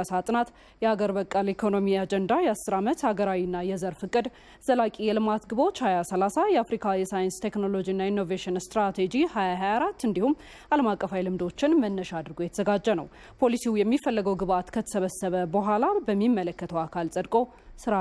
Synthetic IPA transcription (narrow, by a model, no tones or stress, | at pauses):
asat̪ʼɨnat̪ | jɛhaɡəɾbəkʼːalekʰo̞no̞miad͡ʒɛnd̪ajɛasːɨɾamət̪haɡəɾawinːajɛzəɾfɨkʼɨd̪ | z̥əlakʼijɛlɨmat̪ɡɨβot͡ʃːhajasəlasajɛafɾikʰajɛsajɨnst̪ʰe̞knolo̞d͡ʒinːainːo̞veʃɪnst̪ɾat̪ʰed͡ʒihajaɦajaɾat̪ːɨnd̪ihum | ʔaləmakʼːəfajlɨmd̪o̞t͡ʃːɪnmənːəʃad̪ɨɾɡo̞jɛt̪ʰəzəɡad͡ʒːənəw | pʰo̞lisijɛmːifəlːəɡəwɡɨβat̪kʰət̪ʰə̥səβəsːəβəbəɦʷalabəmːimːələkːət̪ʰəwakʰalsʼəd̪kʼo̞ | sɨɾa